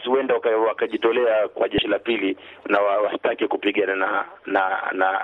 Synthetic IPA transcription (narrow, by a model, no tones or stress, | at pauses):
siwɛndakwakaʄitɔlɛakwaʄɛʃilapili | nawawastakɛkupiɠananana